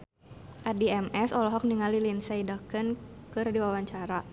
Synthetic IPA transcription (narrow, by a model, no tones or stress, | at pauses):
ʔadiɛmʔɛsɔlɔɦɔk̚niŋalilinsaidakɨnkɨrdiwawaɲt͡ʃaɾa